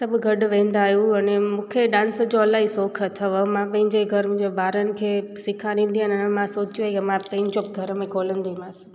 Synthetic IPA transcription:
səbʱɡʱəɖʋẽːnd̪aːjũɐnemũːkʰeɗãːnsd͡ʑoəlaisoːkʰət̪ʰəʋmãpɐ̃ɦɪ̃ɲd͡ʑeɡʱəɾ̃d͡ʑebʱaːɾənɪ̆kʰesɪkʰaɾĩn̆d̪ianənemãsoːt͡ʃjuekemãpɐ̃ɦĩɲd͡ʑõɡʱəɾmẽɡoːlənd̪imãs

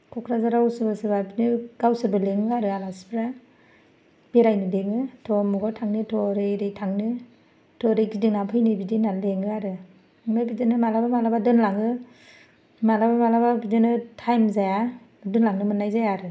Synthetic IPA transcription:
kʰɔkʰɾazaɾawsɯbasɯbabinɯɡ̥awsɯbɯleŋɯaɾɯalasi̥pʰɾa | b̥eɾajnɯleŋɯtʰɔmuɡɔtʰaŋnɯtʰɔɾeɾejtʰaŋnɯ | tʰɔɾeɡidinapʰɯjnɯbidinaleŋɯaɾɯ | ŋnabidɯnɯmalabamalabadɯnlaŋɯ | malabamalababidɯnɯtʰajmzaja | dɯnlaŋnɯmɯnajzajaɾɯ

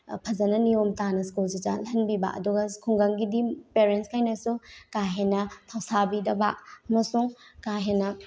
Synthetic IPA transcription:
pʰɐzɐnɐniomtanɐskulzid͡ʒa̰lɦɐnbiba̰ʔɐ̰duɡɐskʰuŋɡɐŋɡidipeɾenskʰajnɐsukaɦenɐtʰawsabidɐbaɐmɐsuŋkaɦenːɐ

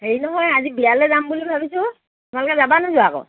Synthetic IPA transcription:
heɹinɔɦɔjazibialɛdambulibʱabisʊtʊmalɔkɛzabanazʊakɔ̰

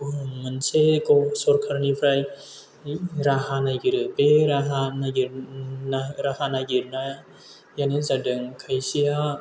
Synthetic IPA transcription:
uɯŋmɯnsekɔsɔɾkʰaɾnipʰɾaj | ɾahanaɡiɾɯpeɾaɦanaɡiɾnaɾahanaɡiɾna | janɯzadɯŋkʰajsija

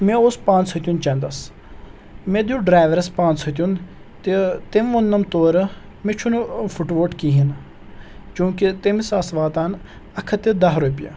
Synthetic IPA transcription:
mẽoːspãːnt͡sʰɐt̪ʲjunt͡ʃɐ̃nd̪ɐs | mẽd̪uɖɾaːjʋɐɾɐspãːnt͡sʰɐt̪̬ʲjun | t̪et̪emʋonːɐmt̪oːɾɐ | met͡ʃʰunfuʈʋoːʈkiɦin | t͡ʃũːkit̪emisaːsʋaːt̪aːn | ɐkʰɐt̪ed̪ɐɦɾopja̰

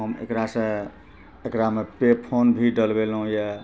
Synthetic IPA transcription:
ɦəmḛkɾasẽ | ekɾamepepʰonbʱiɖəlbelɦũje

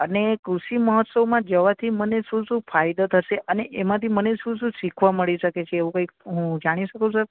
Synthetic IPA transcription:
ənekɾuʃiməɦət̪səmãd͡ʒəʋat̪ʰiməneʃũsũfajd̪ət̪ʰəʃeʔəneʔemãt̪ʰiməneʃũsũʃikʰʋaməɭiʃəket͡ʃʰeːʋũkə̃ikɦũd͡ʒaɽ̃iʃəkusə

